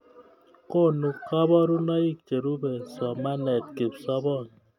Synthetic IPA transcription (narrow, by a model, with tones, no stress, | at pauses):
ko˦˨nu˨kɔ˦bɔ˦ɾu˦nɔ˦i˦k̚t͡ʃe˨ɾu˦bɛ˨sɔ˨ma˦nɛ˨t̚ke˨psɔ˦bɔ˦˨n